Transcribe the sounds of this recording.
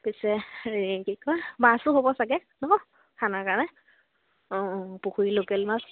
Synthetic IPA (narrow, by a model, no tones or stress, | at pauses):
pisɛɹkikɔjmasʊɦobɔsaɡɛ | nɔɔ | kʰanakanɛ | ɔ̃puxuilokɛlmas